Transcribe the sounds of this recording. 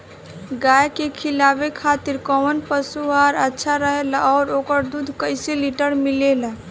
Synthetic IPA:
ɡajkekʰilabekʰat̪iɾkɔwnpəsuɦaɾətːʃʰaɾəɦelaɔːɾokəɾd̪ud̪ʱkəɪseliʈəɾmilela

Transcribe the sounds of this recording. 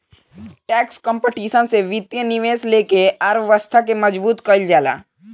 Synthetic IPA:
ʈɛːkskɔ̃ːmpeʈiːʃənseʋɪt̪jənɪʋeːsleːkeɐɾʋəst̪ʰakemɐd͡ʒbuːt̪kəld͡ʒaːla̰ː

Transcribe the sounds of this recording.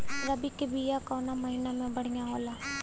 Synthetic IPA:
ɾabikebijaːkɔːnaːməɦinamɛ̃bəɽ̃ɪjãːɦoːlaː

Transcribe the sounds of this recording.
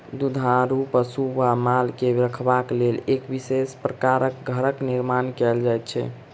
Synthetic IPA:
d̪ud̪ʱaɾupəsuʋamalkeɾəkʰbaklelekbisespɾəkaɾəkɡʱəɾəkniɾmankɛld͡ʒajt̪̚t͡ʃʰɛ̰

